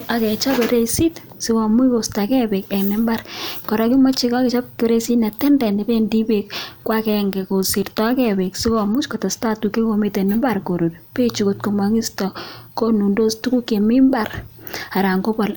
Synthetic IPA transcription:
a˨kɛ˨t͡ʃa˦be˨ɾe˦si˦t | sɪ˦kɔ˨mu˦ko˨sta˨kɛ˦be˨kɛ˨knɪ˦mba˦rkɔ˨ɾɔ˦ki˦ma˦t͡ʃi˦kɔ˦kɛ˨t͡ʃɔ˦p̚ke˦ɾe˦si˦nɛ˨tɛ˦ndɛ˨ne˨pe˦ndi˦bekːwa˦kɛŋɡɛ˨ko˨si˨ɾtɔ˦kɛ˦be˨ksɪ˦kɔ˨mu˦t͡ʃkɔ˨tɔ˨sta˦tu˨ke˦ko˨˦mi˨te˨nɪ˦mba˦rko˨ɾo˨dpe˦t͡ʃu˨ko˨t̚ko˨ma˨ŋi˦stɔ˨ko˦nu˨ndo˦stu˦ku˦ke˨mɪ˦mba˦ra˨ɾa˨ŋɡo˦bɔ˨l

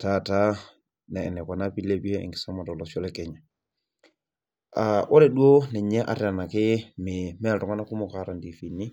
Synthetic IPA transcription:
ta˦ta˦ | nɛ˨ɛ˨nɛ˨ka˨na˦pi˦le˦bi˦e˦ɛ̰ŋɡɪ̥˨sa˦ma˨tɔ˨lɔsɔ˦lɛkɛɲɛ˨ | a˨ʔɔ˦ɾɛ˨du˦o˦nɛ˨ɲɛ˦ʔa̰˨ɾi˦a˨na˨kɪ˦mɪmɛ˦ltɔ˨ŋa˦na˦ku˦mɔ˨kaɾa˨ndi˨fi˨nːi˦

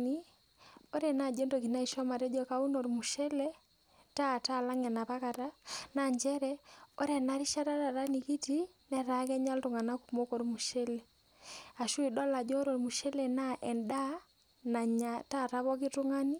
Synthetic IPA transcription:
ni˦ | o˦ɾɛ˨na˨d͡ʒe˦ndo˨ki˨na˦i˨ʃɔ˦ma˨ɾɛ˦d͡ʒɔ˦ka˨u˦no˨ɾmu˨ʃɛ˦lɛ˦ | ta˦˨ta˦˨la˦ŋɛ˨na˨pa˦ka˨ta˦na˨ɲd͡ʒɛ˦ɾɛ˦o˦ɾɛ˨na˦ɾi˦ʃa˦ɾa˦ɾa˨ɾa˦ni˨ki˦ti˦nɛ˦ɾa˨˦kɛ˦ɲa˦ltu˨ŋa˨na˦ku˨mo˦ko˨ɾmu˨ʃɛ˦lɛ˨ | a˨ʃu˦i˨dɔ˦la˨d͡ʒɔ˦ɾo˨ɾmu˨ʃɛ˦lɛ˨na˦ʔɛ˨nda˦ | na˨ɲata˦˨ta˦βɔ˦ki˦tu˦ŋa˦ni˦

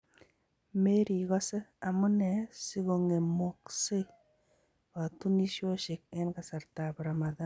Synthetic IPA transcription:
me˦ɾi˨ɣɔ˦se˦a˨mu˦nɛ˨si˦ɣo˨ŋe˨mo˨kse˦ | a˨tu˦ni˦ʃo˦ʃɪ˨k̚ɛ˦nka˨sa˨rta˨bɾa˨ma˨ða˦

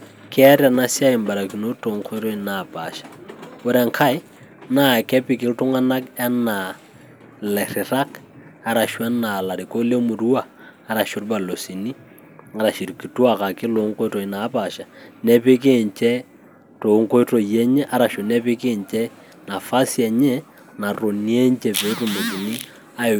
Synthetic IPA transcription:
kʰɛ˦ɾja˨na˦sja˦ɪ˨mba˨ɾa˨ki˨no˦to˨ŋkʰo˦jɾo˦i˨na˨pa˨ʃḁ˨o˦ɾɛ˨ŋkʰa˦ɪ˦ | na˦˨kɛ˦pɪ˨kɪ˦ltʊ˦ŋa˦na˦ka˦na˨ | lɛ˨rɪ˨ɾa˦k | a˦ɾa˨ʃwa˦na˨la˨ɾi˨ko˦le˦mu˨ɾwaː˨˦ | ɾa˨ʃʊ˦ɾba˨lo˨si˨ni˦ | a˨˦ɾa˨ʃi˨ɾki˨twa˨ka˨kɪ˦lo˨˦ŋko˦to˨na˨˦pa˨ʃa˨nɛ˦pɪ˦k̬e˦˨ɲt͡ʃɛ˦ | to˨˦ŋko˦to˨jɛ˦ɲɛ˦ʔa˦ɾa˨ʃʊ˨nɛ˦pɪ˦ke˦˨ɲt͡ʃɛ˦ | na˨fa˦sjɛ˨ɲɛ˦ | na˨ɾo˨ni˦ɛ˦ɲt͡ʃɛ˨pe˨˦to˦˨mo˨ti˨ni˦ | a˦˨

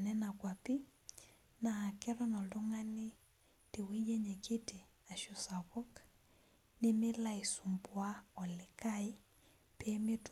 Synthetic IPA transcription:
nɛ˦na˨kwa˨pi˦ | na˨a˨kɛ˦ɾɔ˦nɔ˨lʊ˦ŋa˦nɪ˦ | tɪ˨wi˦jɛ˦ɲɛ˨kɪ˦tɪ˨ | a˨ʃɔ˨sa˨βɔ˦k | nɪmɪ˦la˦i˨su˨mbwa˦ɔ˨lɪ˨ka˦i˦ | pɛ˦mɪ˦t

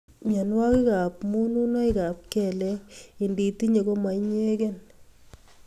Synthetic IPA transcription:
mja˨nwa˦ki˦ka˨p̚mu˦nu˦na˦i˦ka˨p̚kɛ˨lɛ˦i˨ndi˨ti˦ɲe˨ko˦ma˨iɲ˦e˦ke˦n

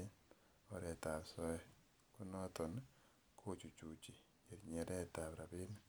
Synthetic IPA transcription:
ɔ˨ɾɛ˨ta˨sɔ˦ | ku˦nɔ˦t̪ɔ˨n | kʰo˦t͡ʃu˨t͡ʃu˨t͡ʃi˨ | e˨ɾɲe˨ɾɛ˦ta˨βɾa˨bi˦n

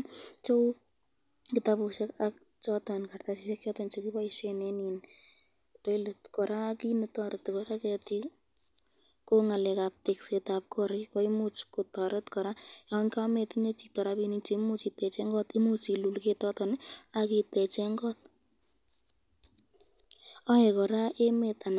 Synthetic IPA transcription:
t͡ʃo˦w | kɪtapu˧ʃekak̚ | t͡ʃɔtɔnkartasiʃekt͡ʃɔtɔnt͡ʃokiba˦iʃenɛnin | to˦iletkɔ˨ɾa˦kinɨtɔ˧ɾətːekɔɾakɛ˧ti | ko˦ŋa˨lɛ˨kap̚te˨ksetap̚kɔɾɪko˦imu˦t͡ʃko˨tɔɾe˦tkɔɾa˦jaŋka˦me˧tiɲe˦t͡ʃi̥˨tɔ˨ɾapini˦t͡ʃe˦mu˦t͡ʃi˧tɛ˨t͡ʃɛ˦ŋɡɔ˦ti˦mu˦t͡ʃilu˨lketɔtɔ˨na˧ki˧tɛ˨t͡ʃɛŋɡɔ˦t̚ | ɔ˦e˨kɔ˨ɾa˦ʔe˦me˨ta˨n

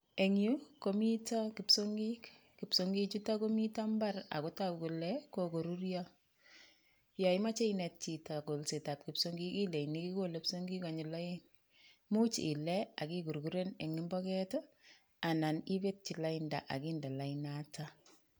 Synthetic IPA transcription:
e˨ŋju˦komi˦takɪ˨psoŋɡikː | ɪ˨psoŋɡi˦t͡ʃu˦tako˦mi˦ta˦mba˦ra̰˨kotaku˨lɛkoko˨ɾuɾjɔ | ja˨ɪma˦t͡ʃe˦ine˨t̚t͡ʃita˨ko˨lse˨ta˨p̚kɪpsoŋɡi˦ki˦le˨ini˦ki˦kole˨psoŋɡi˦ka˨ɲɪ˨la˦en | mo˦t͡ʃi˨lɛa˨ki˦ku˨ɾku˦ɾe˦ne˨ŋɪ˦mbɔkɛtɔ | a˨na˨ni˦be˦t̚t͡ʃi˨la˦inda̰˨ʔa̰˨kinda˨la˨inata

